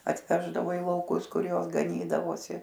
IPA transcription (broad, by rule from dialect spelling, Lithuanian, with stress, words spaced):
ɐtʲˈʋʲæːʒdɐʋoː ɪ lˠɐʊˈkʊs ˈkʊr ˈjoːs ɡɐˈnʲiːdɐʋoːsʲɪ